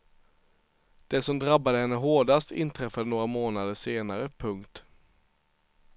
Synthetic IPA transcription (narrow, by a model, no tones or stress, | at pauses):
d̪̥ɛsɔmd̪ɾabːad̪əhɛnːəɦoːɖast̪ɪ̰nt̪ʰɾɛfːad̪ənoːɾamoːnad̪əʂeːnaɾəpʰɵŋkt̪